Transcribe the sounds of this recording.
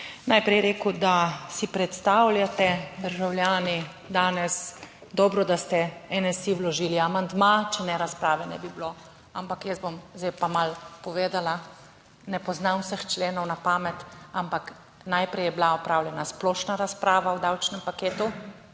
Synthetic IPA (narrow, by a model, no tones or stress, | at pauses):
najpɾɛjɾeːkud̪asipɾɛt̪st̪awlʲjat̪ɛd̪əɾʒawljaːni | d̪aːnɛs | d̪ɔːbɾɔd̪ast̪ɛɛnɛsiwlɔʒiːliamand̪mat͡ʃɛnɛɾaspɾaːʋɛnɛ̰biblo | a̰mpakjɛszbomzjpamalpɔʋeːd̪ala | nɛpɔznanwsəxt͡ʃleːnɔwnapaːmɛt̪ampak | najpɾɛjɛbilaɔpɾaːwlʲjɛnasplɔːʃnaɾaspɾaːʋawd̪awt͡ʃnɛmpakeːt̪u